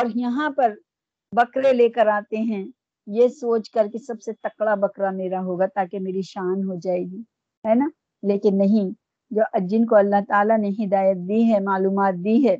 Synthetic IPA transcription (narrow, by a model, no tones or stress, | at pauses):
ɔːɾjɐɦãpɐɾ | bɐkɾeleːkəɾaːt̪eɦɛ̃ | jesoːt͡ʃkɐɾkesɐbset̪ɐkɽabɐkɾameːɾaɦoːɡat̪aːkemeːɾiʃaːnɦod͡ʒaːeːɡiː | ɦɛːnaː | leːkɪnːɐɦĩ | d͡ʒoːʔɐd͡ʒɪnkoɐlːaɦt̪aːlaneɦɪd̪aːjət̪̚d̪iɦɛmaːluːmaːt̪̚d̪iɦɛː